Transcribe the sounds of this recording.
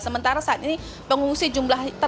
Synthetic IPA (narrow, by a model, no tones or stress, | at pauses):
səmənt̪aɾasaːt̪ini | pəŋuŋsid͡ʒumlaht̪ə